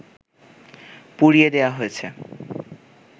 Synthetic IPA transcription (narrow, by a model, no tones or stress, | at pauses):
puɾied̪eoaɦojet͡ɕʰe